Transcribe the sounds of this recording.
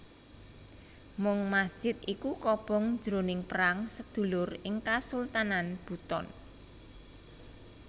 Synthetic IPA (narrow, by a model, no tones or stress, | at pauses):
mʊŋmasd̥ʒ̥ɪt̪̚ikukɔb̥ɔ̤ŋ̥d͡ʒ̥ɾonɪŋpəɾaŋsəd̪̥ṳlʊrɪŋkasult̪ananb̥ṳt̪ɔ̰n